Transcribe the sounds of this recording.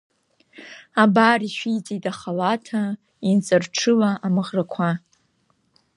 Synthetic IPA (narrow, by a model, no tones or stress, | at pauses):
abariʃᶣijd͡zʼitaχalatʰa | int͡sʼɨrʈ͡ʂʰɨlaʔamɨʁrakʷʰa